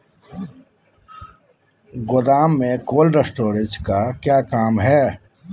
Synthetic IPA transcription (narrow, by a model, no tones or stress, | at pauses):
ɡʊd̪aːmːẽkoːlɾesʈoːɾɪt͡ʃkakjaːkaːmɦɛː